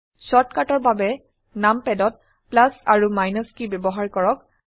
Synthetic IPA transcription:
sɔtkatɔɹbabɛ | nampɛdɔt̚ | plasaɹumajnɔskibjɔbɔɦaɹkɔɹɔk̚

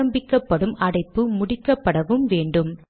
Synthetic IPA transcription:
ɐmbɪkːɐpːɐɽɯmʔɐɽɐɪpːɯmʊɽɪkːɐpːɐɽɐʋɯmʋeːɳɖɯm

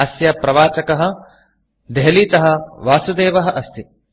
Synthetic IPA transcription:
ɐsjɐpɾɐʋaːt͡ʃɐkɐɦɐ̆ | d̪eɦɐliːt̪ɐɦɐ̆ʋaːsud̪eːʋɐɦɐ̆ʔɐst̪i

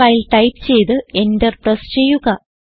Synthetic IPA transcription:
ajilʈɐjp̚t͡ɕe̞jt̪ɨe̞nderpɾest͡ɕe̞jːuɣɐ

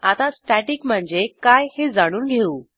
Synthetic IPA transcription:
at̪asʈaʈikm̤əɳd͡zekajhed͡zaɽ̃uːnɡʱeuː

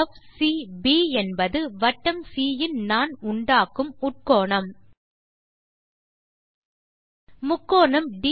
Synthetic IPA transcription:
fsibiːɛnbɐðɯʋɐʈːɐmsiːjɪnnaːnʊɳɖaːkːɯmʊʈ̚koːɳɐm | mʊkːoːɳɐmɖi

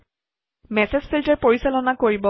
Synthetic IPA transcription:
mɛsezpʰiltɛɹpoɹisalɔnakoɹibɔ

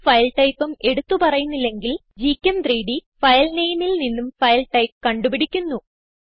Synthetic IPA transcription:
fɐjlʈɐjpːume̞ɽut̪ːupɐrɐjunːilːe̞ŋɡil | d͡ʑiːkʲːɐmd̪riːɖifɐjlnejmilninːumfɐjlʈɐjp̚kɐɳɖupiɽikʲːunːu

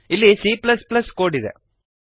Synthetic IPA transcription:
ɪlːesiːplɐsplɐskoːɽɪðɛ̰

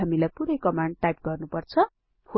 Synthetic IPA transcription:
amilajpuɾʌjkʌmaɳɖʈajp̚ɡʌrnupʌrt͡sʰʌ | ho

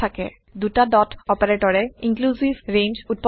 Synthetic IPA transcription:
akɛ̰ | dutadɔtɔpɛɹetɔɹɛiŋkluzivɹend͡ʒut̚p

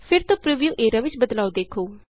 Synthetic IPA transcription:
pʰɪɾt̪õːpɾiʋijuːʔeːɾaːʋɪt͡ʃbəd̪laːod̪eːkʰoː

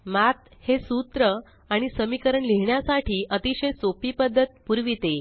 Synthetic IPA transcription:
mat̪hesut̪ɾə | aɽ̃isəmikəɾəɳleɦɳjasaʈʰiːʔət̪iɕəjsopipəd̪ʱːət̪̚puɾʋit̪e

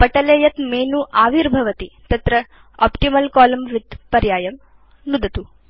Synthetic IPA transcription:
pɐʈɐleːjɐt̪meːnuʔaːʋiɾbʱɐʋɐt̪it̪ɐt̪ɾɐ | ɔ̰ːpʈimɐlkaːlɐmʋid̪pɐɾjaːjɐm | nud̪ɐt̪u

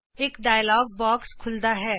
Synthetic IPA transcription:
eːkɖaːjlɔːɡ̚bɔːkskʰʊld̪aɦɛː

